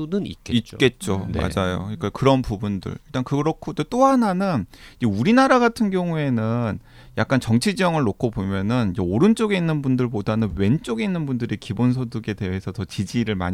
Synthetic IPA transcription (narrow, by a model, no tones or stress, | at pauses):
nɯnḭit̚k͈e̞t̚t͡ɕ͈oma̰d͡ʑajo̰ik͈akɯɾʌnpubundɯ̰ɭiɭt͈ankɯɾʌkʰodet͈oɦananɯniuɾinaɾaɡatʰɯnɡjʌŋue̞nɯn | jak͈ant͡ɕʌŋt͡ɕʰid͡ʑijʌŋɯɭnokʰobomjʌnɯnid͡ʑeoɾɯnt͡ɕ͈oɡe̞inːɯnbundɯɭpodanɯnwe̞nt͡ɕ͈oɡe̞inːɯnbundɯɾekibons̬ʰoduɡe̞de̞ɦesʰʌtʌt͡ɕid͡ʑiɾɯɭma̰ɲi